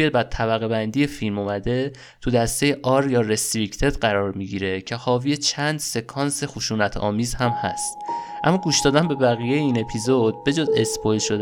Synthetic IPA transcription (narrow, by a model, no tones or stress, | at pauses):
ebæt̪ʰæβæɣe̞bænd̪ije̞filmumæd̪e̞ | t̪ʰud̪æst̪e̞jeʔɒːɾjɒːɾest̪ɾikt̪ʰe̞d̪ɢæɾɒːɾmiɟiːɾe̞cʰe̞hɒːvije̞t͡ʃʰænd̪se̞kʰɒːnse̞xuʃuːnæt̪ʰɒ̰ːmiːzhæmhæ̰st̪ʔæ̰mːɒːɡuːʃd̪ɒːd̪ænbe̞bæɣije̞jeiːne̞pʰizod̪̥̚be̞d͡ʒoːze̞spʰojlʃo̞d̪